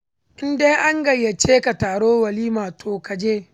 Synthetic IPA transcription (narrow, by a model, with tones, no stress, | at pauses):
ʔɪ˦nde˦jʔa˦ŋɡɐ˨jːa˨t͡ʃeː˦ka˨taː˨ɽoː˦wɐ˨liː˦maː˨tʰoː˨ka˨d͡ʒeː˦